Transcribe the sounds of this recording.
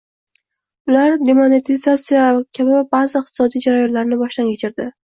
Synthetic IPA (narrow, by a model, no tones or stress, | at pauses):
ʊlaɾd̪emonet̪ʰizat̪sijakʲʰabɪbazɪɪq̚t̪ʰɪsɒd̪ijd͡ʒaɾajɒnlaɾnɪbɒʃd̪ankʲʰet͡ʃʰɪɾd̪ɪ